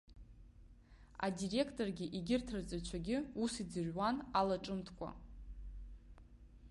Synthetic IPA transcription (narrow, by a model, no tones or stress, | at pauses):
a̰dire̞kʰtʼo̞rɡʲɪʔiɡʲɪrtʰɨrt͡sʼat͡ʃʷʰaɡʲɪusid͡zɨrwanalaʈ͡ʂʼɨmtʰkʷʼa̰